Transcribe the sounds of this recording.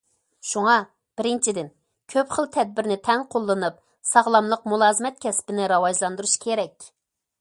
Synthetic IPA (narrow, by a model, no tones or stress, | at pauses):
ʃuŋɑ | b̥ɪɾɪnt͡ʃʰid̪ɪn | kʲʰøpχəlˠt̪ʰɛd̪̚bɪɾnɪt̪ʰɛŋqʰolˠːɨnɨp̚ | sɑʁlˠɑmlˠəq̚mulˠɑːzɨmɛt̪̚kʲʰɛspɪnɪɾɑwɑd͡ʒlˠɑnd̪uɾuʃkʲʰeɾɛkʲ